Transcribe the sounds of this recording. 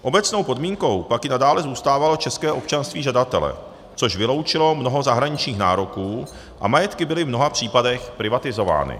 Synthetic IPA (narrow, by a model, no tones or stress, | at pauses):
ʔo̞bɛt͡snowpo̞dmiːŋko̞wpakjɪnadaːlɛzuːst̪aːvalo̞t͡ʃɛskɛːʔo̞p̚t͡ʃanst̪viːʒadat̪ɛ̰lɛ̰ | t͡so̞ʃvɪlo̞wt͡ʃɪlo̞mnoɦo̞zaɦɾaɲɪt͡ʃɲiːxna̰ːɾo̞kuː | ʔa̰majɛt̪kɪbɪlɪvmno̞ɦapr̝̥iːpadɛxpɾɪvat̪ɪzo̞va̰ːnɪ̰